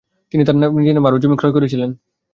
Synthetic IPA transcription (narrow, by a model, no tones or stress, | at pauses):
t̪init̪aɾnanidinemaɾud͡ʑomikʰɾoekoɾet͡ɕʰilen